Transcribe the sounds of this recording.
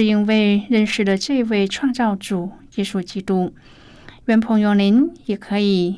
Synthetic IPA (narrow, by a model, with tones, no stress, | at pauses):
i˧˥ŋwe˥˧ɪɻə˥˧nʂɻ̩˧˩d̪ə˧ʈ͡ʂɤ˥˧˨i˧˥we˥˧˩ɪʈ͡ʂʰwa˥˧ŋt͡sɑ˥˧ʊʈ͡ʂu˨˩jɛ˧˥ʂu˧˩t͡ɕi˧˥t̪u˧˥ | ɥɛ˧˥npʰʊ˧˥ŋjo˧˩ŋli˧˥njɛ˨˩kʰɤ˧˥i˨˩